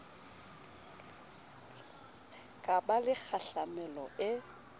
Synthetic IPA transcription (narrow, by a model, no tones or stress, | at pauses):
kʼabalɪk͡xʰaɬamɛlɔɪ